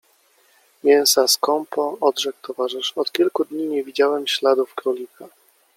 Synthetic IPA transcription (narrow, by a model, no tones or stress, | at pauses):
mʲjɛñsaskɔmpɔɔd̪ʐɛkt̪ʰɔvaʐɘʂɔt̪kʲilkud̪ɲiɲɛvʲid͡ʑawɛmɕlad̪ufkɾɔlʲika